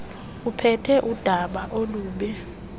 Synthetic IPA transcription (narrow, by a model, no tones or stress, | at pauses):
upʰɛtʰɛʔud̥ʱaɓaʔoluːɓɛ